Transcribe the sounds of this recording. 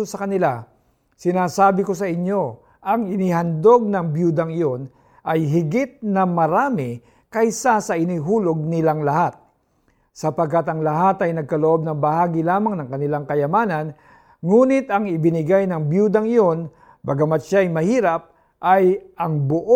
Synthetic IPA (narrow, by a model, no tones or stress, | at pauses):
osɐkɐnɪla | sɪnaːsaːbɪko̞s̬ɐʔɪɲːo̞ | ʔɐŋɪnɪhɐnd̪o̞ɡ̚nɐŋbjuːd̪ɐŋɪjo̞n | ʔɐjɦɪɡɪt̪̚nɐmɐɾaːmɪ | kɐjsasɐʔɪnɪɦuːlo̞ɡ̚nɪlaŋlɐhat̪̚ | sɐpɐɡkːat̪ɐŋlɐɦat̪ɐjnɐɡ̚kɐloʔo̞b̚nɐŋbɐhaːɡɪlaːmɐŋnɐŋkɐnɪlaŋkɐjɐmaːnɐn | ŋuːnɪt̪ɐŋɪbɪnɪɡajnɐŋbjuːd̪ɐŋɪjo̞n | bɐɡamɐt̪ʃaɐjmɐhiːɾɐp̚ | ʔɐjɐŋbʊʔ